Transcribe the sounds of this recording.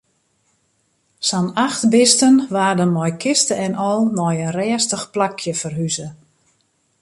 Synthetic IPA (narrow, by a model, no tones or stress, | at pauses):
sanaxtbɪstənʋaːdənmɔjkʰɪstəɛnɔlˠmɔjənrɛːstəxplakʰjəfərɦyzə